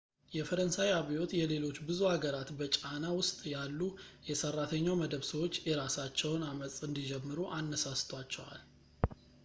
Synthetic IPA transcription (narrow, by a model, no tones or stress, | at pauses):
jɛfəɾənsajaβijo̞t̪jɛle̞lo̞t͡ʃːbɨzuhaɡəɾat̪bət͡ʃʼanawʊst̪ʼjalːujɛsərːat̪ʰəɲːawməd̪əβsəwo̞t͡ʃːjɛɾasat͡ʃːɛwnaməsʼɨnd̪id͡ʒɛmːɨɾuʔanːəsast̪ʰwat͡ʃːɛwa̰l